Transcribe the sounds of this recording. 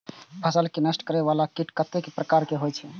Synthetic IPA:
pʰəsəlkenəsʈkəɾɛbalakiʈkət̪ekpɾəkaɾkeɦojt͡ʃʰɛ

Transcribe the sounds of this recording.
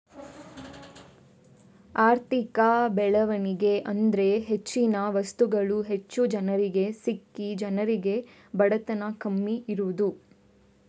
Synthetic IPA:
aːɾt̪ikɐbɛɭɐʋɐniɡe̞ʔɐnd̪ɾe̞ɦet͡ʃːinɐʋɐst̪uɡɐɭuɦe̞t͡ʃːud͡ʒɐnɐɾiɡe̞sikːid͡ʒɐnɐɾiɡe̞ | bɐɽɐt̪ɐnɐkɐmːiʔiɾuʋud̪u

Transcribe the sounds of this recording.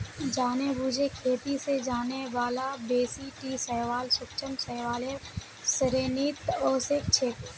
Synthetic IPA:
d͡ʒaːnebuːd͡ʒʱekʰeːt̪ised͡ʒaːneʋaːlabeːsiʈisəɦʋaːlsʊkt͡ʃəmsəɦʋaːle | səɾeːniːt̪oːsek̚t͡ʃʰeːt̪

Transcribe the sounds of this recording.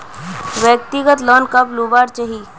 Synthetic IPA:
ʋjək̚t̪ɪɡət̪lɔːnkɐpluːbaːɾt͡ʃɐɦiː

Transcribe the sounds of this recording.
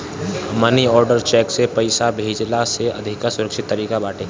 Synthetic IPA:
məniɔːɾɖəɾt͡ʃɛːksepɐɪsabʱeːd͡ʒlaseɐd̪ʱɪkasʊɾəkʃɪt̪ːəɾiːkabaːʈʰeː

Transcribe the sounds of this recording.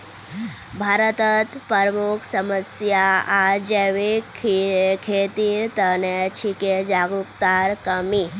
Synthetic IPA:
bʱaɾət̪ət̪pəɾmukʰsəməsjaaɾd͡ʒeʋekʰkʰet̪iːɾt̪ənet͡ʃʰiked͡ʒaɡukt̪aɾkəmi

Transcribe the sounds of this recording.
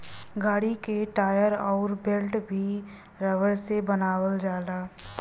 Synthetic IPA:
ɡaːɽikeʈaːjəɾɔːɾbelʈbʱi | ɾəʋəɾsebənaːwəld͡ʒaːlaː

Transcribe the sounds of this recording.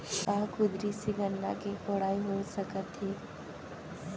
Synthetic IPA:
kaːkʊd̪ɾisiɡənːa̰kekoːɽaːiɦosəkət̪ɦeː

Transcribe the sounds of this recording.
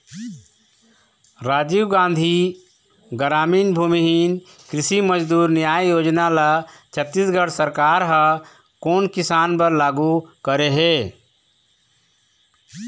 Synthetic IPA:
ɾaːd͡ʒiɡãːnd̪ʱi | ɡəɾaːmiːnbʱumiɦin | kɾɪsiməd͡ʒd̪uːɾnɪjaːjjoːd͡ʒnalat͡ʃʰət̪ːisɡəɽsəɾkaːɾɦə | koːnkɪsaːnpəɾlaːɡukəɾeɦeː

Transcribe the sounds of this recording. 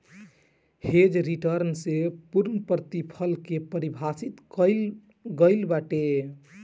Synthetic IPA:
hed͡ʒɾiʈəɾnsepuɾnəpɾət̪ipʰəlkepəɾibʱasit̪ə | ɡəɪlbaʈe

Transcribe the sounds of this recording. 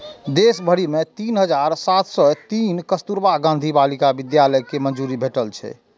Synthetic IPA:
d̪esbʱəɽimet̪inɦəd͡ʒaɾsat̪ʰsɔt̪inkəst̪uɾbaɡãnd̪ʱibalikabid̪jaləjkemənd͡ʒuɾibʱeʈəlt͡ʃʰɛ̰

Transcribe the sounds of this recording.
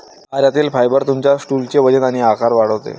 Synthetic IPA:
aɾjat̪iːlfajbəɾt̪umt͡ɕjasʈult͡ɕeʋəd͡ʑənaɽ̃iakaɾʋaɽəʋt̪ḛ

